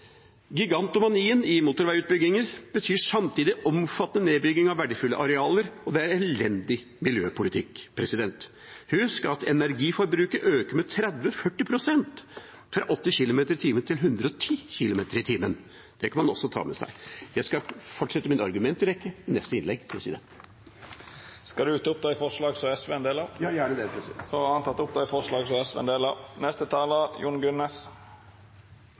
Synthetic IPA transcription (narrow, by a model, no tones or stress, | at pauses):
ɡɪɡɑnt̪ʊmɑniːənɪmut̪ʊɾʋæɪʉːt̪̚bʏɡɪŋəɾbət̪ʰyːʂɑmt̪ʰiːd̪ɪʔɔmfɑt̪ːənəneːbʏɡɪŋɑʋːæɖəfʉlːə̰ʔɑɾɛɑːləɾɔd̪ɛæɾɛlɛnd̪ɪ | mɪljøːpʰʊlɪt̪ʰɪkːpʰɾɛsɪd̪ɛnt̪ | hʉskɑt̪ɛ̰næɾɡiːfɔɾbɾʉːkəɾʔøːkəɾmɛt̪ʰɾɛd̪ʋəfœʈːɪpʰɾʊsɛnt̪ | fɾɑ̰ʔɔt̪ːɪçɪlʊmeːt̪əɾɪt̪ʰiːmənt̪ʰɪlɦʉnd̪ɾəɔt̪ʰiːçɪlʊmeːt̪əɾɪt̪ʰiːmən | d̪̥ɛkʰɑnmɑnɔsːɔt̪ʰɑ̰ːmɛsæ̰ɪjæɪskɑfɔʈːʂɛt̪ːəmɪnɑɾɡʉmɛnt̪ɪɾɛkːəɪnɛst̪əɪnlɛɡpʰɾɛsɪd̪ɛ̰nt̪ | skɑd̪ʉʉːt̪əʊp̚d̪æɪfɔʂɭɑːɡsɔɛsʋeːnd̪eːləjːɖɛd̪ɛpʰɾɔɑnt̪ɑt̪ːʊp̚d̪æɪfɔʂɭɑːɡsɔɛsʋɛ̰ːnd̪eːlənɛst̪ət̪ʰɑːləjuɳɡʉnːes